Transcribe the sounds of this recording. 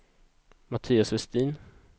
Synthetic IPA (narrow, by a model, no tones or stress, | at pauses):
mat̪ʰiːasvɛst̪iːn